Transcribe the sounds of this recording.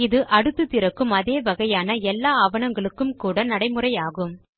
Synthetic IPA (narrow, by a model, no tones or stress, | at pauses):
ɪðɯʔɐɽɯt̪ːɯt̪ɪrɐkːɯmɐðeːʋɐɣɐjaːnɐɛlːaːɐʋɐnɐŋɡɐɭɯkːɯmkuːɽɐnɐɽɐɪmɯrɐjaːɣɯm